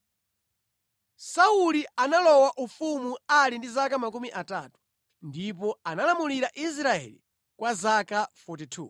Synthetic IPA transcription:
saulianalɔwaʔufumualindizakamakumiʔatatu̥ | ndip̬ɔanalamuliɾaʔis̬ɾaɛ̰li | kwazakafut̬itʰṵː

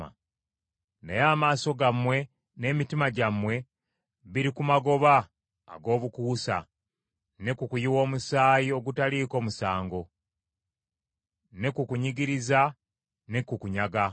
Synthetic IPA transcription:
a̰ | nḛjaːmaːso̞ɡamwe̞ | ne̞ːmitimaɟamwe̞ | βiɾikumaɡo̞βa̰ː | ɡo̞ːβukuːsa̰ | ne̞kukujiwo̞ːmusaːjio̞ɡutaliːko̞ːmusaːŋɡo̞ | ne̞kukuɲiɡiɾiza | ne̞kukuɲaɡa

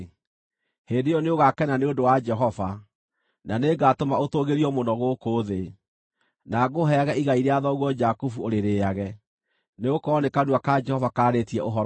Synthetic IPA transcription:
heːndejɔneoɣakɛnaneodowad͡ʒɛɦɔva | naneɡatomaotoɣeɾiɔmonɔɣokoːðe | naɣoɦɛaɣɛiɣaiɾeaðɔɣwɔd͡ʒakufuoɾeɾeaɣɛ | neokɔnekanuakad͡ʒɛhɔvakaːɾetiɛʔoɦɔɾ

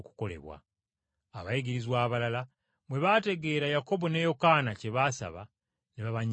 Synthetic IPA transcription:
ku̥ko̞le̞̰βwa̰ː | βajiɡiɾizwaːβalala | mwe̞βate̞ɡe̞ːɾajako̞bo̞ne̞jo̞kanace̞βasa̰βa̰ | niβaβaɲ

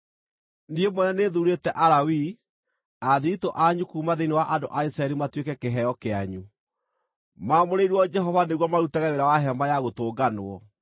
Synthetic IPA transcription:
niemwɛnaneðuɾetɛʔaɾawi | aðiitoʔaɲukuːmaðeiniwaʔadoʔaisɾaɛɾimatwekɛkeɦɛjɔkeaɲu | maːmoɾeiɾwɔd͡ʒɛɦɔvaneɣwɔmaɾutaɣaeɾawaɦɛmajaɣotoːɡanoɔ

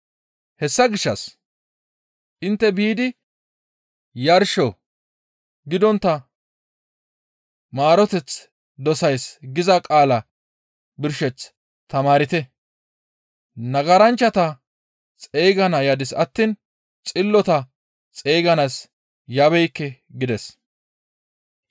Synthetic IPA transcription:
hɛsːɐɡɪʃːɐs | ʔɪnt̪ːɛbiːd̪ɪ | jɐɾʃɔ | ɡɪd̪ɔnt̪ːɐ | maːɾɔt̪ɛt͡s | d̪ɔsɐjsɡɪzɐkʼaːlɐ | bɪɾʃɛt͡s | t̪ɐmaːɾɪt̪ɛ | nɐɡɐɾɐnt͡ʃːɐt̪ɐ | t͡sʼeːɡɐnɐjad̪ɪsɐt̪ːiːn | t͡sʼɪlːɔt̪ɐ | t͡sʼe̞ːɡɐnas | jɐbɛjkːɛ | ɡɪd̪ɛs

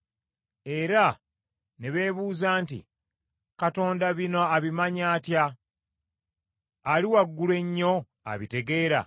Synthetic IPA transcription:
e̞ɾa | ne̞βe̞ːβuːzaːntḭ | kato̞ːndaβino̞aβimaɲaːtja | liwaɡːulwe̞ɲːo̞ | a̰βite̞ɡe̞ːɾa̰

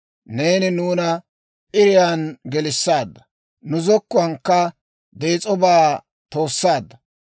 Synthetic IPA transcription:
ne̞ːnɪnuːnɐ | ʔɪɾɪjaːnɡɛlɪsːaːd̪ːɐ | nʊzɔkːʊwɐŋkːɐ | d̪e̞ːt͡sʼɔbaː | t̪o̞ːsːaːd̪ːɐ

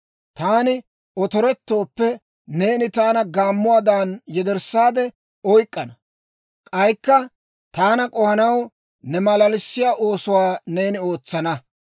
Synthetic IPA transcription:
t̪aːnɪ | ɔt̪ɔɾɛt̪ːo̞ːpːɛ | ne̞ːnɪt̪aːnɐɡaːmːʊwaːd̪aːnjɛd̪ɛɾsːaːd̪ɛ | ɔjkʼːɐnɐ | kʼɐjkːɐ | t̪aːnɐkʼɔhɐnɐw | nɛmɐlɐlɪsːɪjaːʔoːsʊwaːne̞ːnɪo̞ːt͡sːɐnɐ

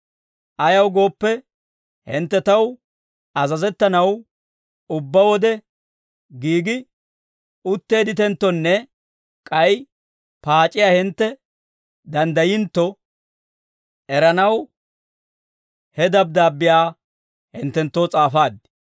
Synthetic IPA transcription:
ʔɐjɐwɡo̞ːpːɛ | hɪ̰nt̪ːɛt̪ɐw | ɐzɐzɛt̪ːɐnɐw | ʊbːɐwɔd̪ɛ | ɡiːɡɪ | ʊt̪ːe̞ːd̪ɪt̪ɛnt̪ːɔnːɛ | kʼɐj | paːt͡ʃʼːɪjaːhɪnt̪ːɛ | d̪ɐnd̪ɐjɪnt̪ːɔ | ɛɾɐnɐw | hɛd̪ɐb̚d̪aːbːɪjaː | hɪnt̪ːɛnt̪ːoːt͡sʼaːfaːd̪

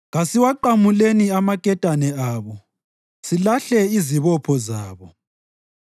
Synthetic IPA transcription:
ɣasiwaǃamuleniamakʼɛtʼanɛaːβɔ | silaɬɛiziβɔpʰɔzaːβɔ

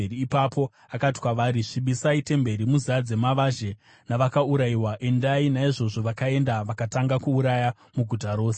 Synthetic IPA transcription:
iːpapʰo̞ | akati̥kwaʋaɾiʂiɓisaite̞mbe̞ɾimuziad͡ze̞maʋaʒe̞ | naʋakauɾaiwaʔe̞ndainaiʐo̞ʐo̞ʋakae̞ndaʋakataŋɡakuːɾaja | muɡʱutaɾo̞ːse

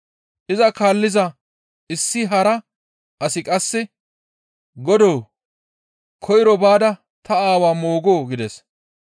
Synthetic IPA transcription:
ʔɪzɐkaːlːɪzɐ | ɪsːɪɦɐɾɐ | ʔɐsɪkʼɐsːɛ | ɡɔd̪oː | kʰɔjɪɾɔbaːd̪ɐ | t̪ɐaːwaːmoːɡo̞ːɡɪd̪ɛs

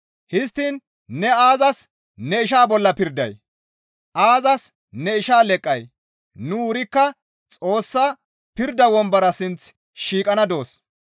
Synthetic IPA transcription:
hɪst̪ːiːn | nɛaːzɐs | nɛɪʃ̬aːbɔlːɐpɪɾd̪ɐ̰j | ʔaːzɐs | nɛɪʃaːlɛkʼːɐj | nʊʊɾɪkːɐ | t͡sʼo̞ːsːaː | pɪɾd̪ɐwɔmbɐɾɐsɪnt͡s | ʃiːkʼɐnɐd̪o̞ːs

